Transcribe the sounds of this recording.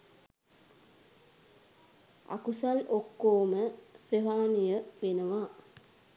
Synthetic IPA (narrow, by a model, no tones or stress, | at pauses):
a̰kusalokːoːməpreɦaːnijəʋenəʋaː